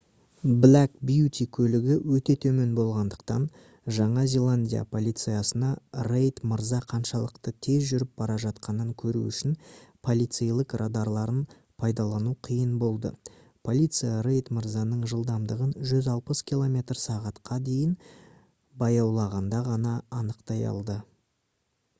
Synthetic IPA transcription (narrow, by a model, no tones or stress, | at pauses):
blækbijut̪ʲikʲʰɵlɪɡʲɪwɵt̪e̞t̪ʰɵme̞nbo̞lˠʁɑnd̪əqt̪ɑ̰n | ʒɑɴɑzʲe̞lˠanʲdʲija̰pʰo̞lʲˠijt̪sɨjasənɑrejt̪məɾzɑqʰɑnʃɑlˠəqt̪ət̪ʰe̞zʒʏɾɪp̚b̥ɑɾɑʒɑt̪qɑnəŋkʲʰɵɾṵʏʃɪnpʰo̞lˠijt̪sejlˠəqrad̪ɑɾlˠɑɾən | pʰɑjd̪ɑlˠɑnuqʰijənbo̞lˠd̪ə̰ | pʰo̞lʲit̪sɨjaɾejt̪məɾzɑnəɴʒəlˠd̪ɑmd̪əʁənʒʏzɑlˠpəskʲʰilˠo̞mʲe̞t̪rsɑʁɑt̪qɑd̪e̞jɪn | bɑjɑwlˠɑʁɑnd̪ɑʁɑnɑːnəqt̪ɑjɑ̰lˠd̪ə